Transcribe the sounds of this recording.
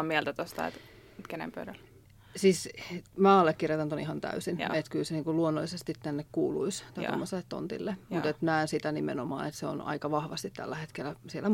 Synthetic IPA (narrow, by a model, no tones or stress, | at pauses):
miɛlt̪æt̪ost̪ɑ̰ḛt̪ | t̪kenḛmpø̰ydæl | siːsmæːɑlːekkirjɑt̪ɑnt̪onihɑnt̪æ̰ysinet̪kylseniːŋkulluonːolːˑisest̪it̪t̪ænːekkuːlṵist̪ɑt̪o̰mːoselːet̪t̪o̰nt̪ḭlːemut̪et̪næːnsit̪ænimḛnomɑ̰ːnet̪seo̰nɑ̰ikɑʋɑhʋɑst̪it̪t̪æ̰lːæhet̪kelːˑæsielːæ